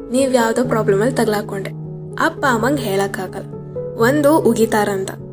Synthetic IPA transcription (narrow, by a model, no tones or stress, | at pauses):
niːʋjaːʋd̪oːpɾaːblɐmɐlt̪ɐɡɐlaːkoɳɖe | ɐpːaːmɐŋɡɦeːɭɐkːaːɡɐlɐ | ʋond̪uʔuɡit̪aːɾɐnt̪ɐ